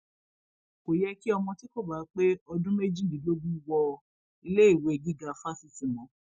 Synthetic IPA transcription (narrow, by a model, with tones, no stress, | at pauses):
ko˨jɛ˦ki˦ɔ˧mɔ̃˧ti˦ko˦˨ba˨˦k͡pe˦ɔ˧dũ˦me˦d͡ʒĩ˦˨di˨˦lo˦ɡũ˦wɔ˧˨˦ | le˦i˦˨we˨˧˨ɡi˦ɡa˧˨fa˦si˦si˨mɔ̃˨˦